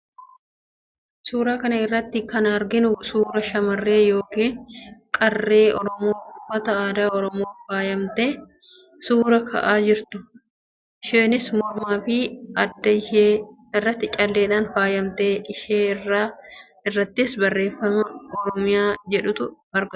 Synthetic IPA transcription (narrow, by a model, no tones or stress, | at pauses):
suːɾaːkɐnɐɪrːɐt̪ːɪkɐnɐɾɡɪnʊsuːɾɐʃɐmɐrːe̞ːjo̞ːkiːnkʼɐrːe̞ːʔɔɾɔmo̞ːʊfɐt̪ɐaːd̪aːɔɾɔmo̞ːfaːjɐmt̪e̞ː | suːɾɐkʰɐ̰ʔaːd͡ʒɪɾt̪ʊ | ʃeːnɪsmɔɾmaːfɪɐd̪ːɐɪʃeː | ɪrːɐt̪ːɪt͡ʃʼɐlːe̞ːᶑaːnfaːjɐmt̪e̞ːᶑɪʃeːrːaː | ɪrːɐt̪ːɪsbɐrːe̞ːfːɐmɐɔɾɔmɪjaːd͡ʒɛᶑʊt̪ʊ | ɐɾɡʊ